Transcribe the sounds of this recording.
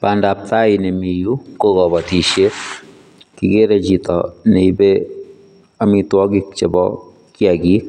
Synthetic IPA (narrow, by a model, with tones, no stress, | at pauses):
panda˨p̚ta˦ɪne˨mi˨ju˦ko˦kɔ˨ba˨ti˨ʃje˦ | kike˦ɾet͡ʃi˨tɔ̰ne˨ibe | amitwɔ˦ɡik̚t͡ʃe˨bɔ̰ | kjaɡi˦k